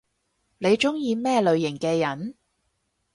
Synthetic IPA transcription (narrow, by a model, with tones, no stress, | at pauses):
ne˨˧jt͡ʃʊ˥ŋjiː˧mɛː˥lɵ˨˧ɥjɪ˨˩ŋkɛː˧jɐ˨˥n